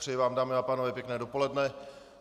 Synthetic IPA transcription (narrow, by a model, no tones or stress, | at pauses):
r̥ɛjɪvaːmdaːmɪapaːnovɛːpjɛknɛːdopo̞lɛdnɛ